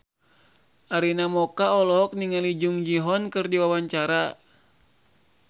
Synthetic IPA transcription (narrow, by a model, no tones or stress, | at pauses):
ʔaɾinamɔkaɔlɔk̚niŋalid͡ʒuŋd͡ʒiɦɔnkɨrdiwawaɲt͡ʃaɾa